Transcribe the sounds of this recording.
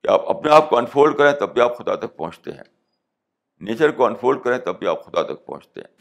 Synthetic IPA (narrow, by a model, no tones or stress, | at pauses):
kea̰ːpɐ̰pneaːp̚kɔːnfʰoːlkɐɾẽt̪ɐbʱːiaːpxʊd̪a̰t̪ɐk̚pɐ̰ɦʊ̃t͡ʃt̪ḛɦɛ̰̃ | neːt͡ʃəɾkɔːnfʰɾoːlkɐɾẽt̪ɐbʱia̰ːpxʊd̪at̪ɐk̚pɐ̰̃ʊ̃t͡ʃt̪ḛɦɛ̰̃ː